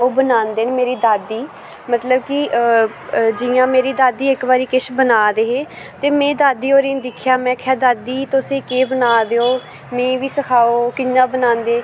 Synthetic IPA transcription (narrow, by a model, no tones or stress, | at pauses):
oːbənaːnd̪eːnmeːɾiːd̪aːd̪iː | mət̪ləbki | d͡ʒɪjãːmeːɾiːd̪aːd̪iːɪkbaːɾiːkɪʃbənaːd̪eːɦeː | t̪eːmɛ̃ːd̪aːd̪iːoːɾeːnd̪ɪkʰjaːmɛ̃ːkʰɛːd̪aːd̪iːt̪ʊsẽːkeːbənaːd̪eːoː | mɛ̃ːʋiːsəkʰaːoːkɪnãːbənãːnd̪eː